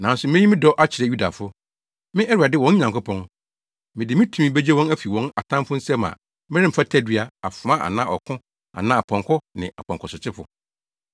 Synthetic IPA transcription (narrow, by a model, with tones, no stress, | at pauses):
nã˨˦n˦sʊ˨mɪ̃˦ji˦mɪ̃˦dɔ˦ʔa˦t͡ɕʰɪ˨ɾɛ˨ju˦da̰˨fʊ˦ | mɪ̃˦ʔɛ˦ɾɥa˨dɪ˦wɔ̃˦n˦ɲã˨ŋkʊ˦pʰɔ̃˦n | mɪ̃˨dɪ˨mɪ̃˦tʰũ˨mĩ˦be˦d͡ʑe˦wɔ̃˦næ˦fi˨wɔ̃˦na˨tʰã˦mfʊ˦n̩˦sɛ˦mã̰˨ | mɪ̃˦ɾɪ̃˦m̩˨fa˦tʰæ˦dɥa˨a˨fʊ˨ã˦ʔa̰˨nã˦ʔɔ̰˨kʰʊ̃˦ | a̰˨nã˦a˨pʰɔ̃˨ŋkʰɔ˦nɪ̰̃˨a̰˨pɔ̃˨ŋkʰɔ˨sɪ˨t͡ɕʰɪ˦fʊ̰˦˨